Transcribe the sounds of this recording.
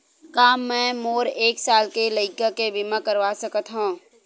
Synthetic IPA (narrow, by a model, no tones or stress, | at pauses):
kaːmːɛ̃ːmoːɾeːksaːlkeləɪkakebɪmakəɾʋasəkət̪ɦũː